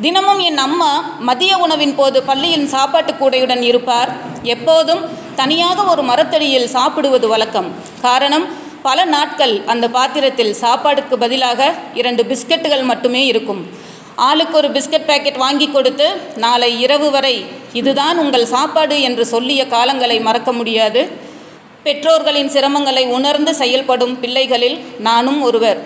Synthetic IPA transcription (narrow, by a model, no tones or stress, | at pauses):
d̪ɪnɐmɐmɛnːɐmːɐmɐðɪjɐʊɳɐʋɪnpoːðɯpɐlːɪjɪlnsaːpaːʈːɯkːuːɽɐjɯɽɐnɪɾɯpːaːɾ | ɛpːoːðɯm | t̪ɐnɪjaːɣɐɔɾɯmɐɾɐt̪ːɐɽɪjɪlsaːpɪɽɯʋɐðɯʋɐlɐkːɐm | kaːɾɐɳɐm | pɐlɐnaːʈ̚kɐɭɐnd̪ɐpaːt̪ɪɾɐt̪ːɪlsaːpaːɽɯkːɯbɐðɪlaːɣɐɪɾɐɳɖɯbɪskɛʈːɯɣɐɭmɐʈːɯmeːɪɾɯkːɯm | ʔaːlɯkːɯɔɾɯbɪskɛʈ̚paːkɛʈʋaːŋɡɪkːɔɽɯt̪ːɯnaːlɐɪɪɾɐʋɯʋɐɾɐɪɪðɯðaːnʊŋɡɐɭsaːpaːɽɯɛndrɯsɔlːɪjɐkaːlɐŋɡɐɭɐɪmɐɾɐkːɐmʊɽɪjaːðɯ | pɛʈroːɾɣɐɭɪnsɪɾɐmɐŋɡɐɭɐɪʊɳɐɾnd̪ɯsɛjɐlpɐɽɯmpɪɭːɐɪɣɐɭɪlnaːnɯmɔɾɯʋɐɾ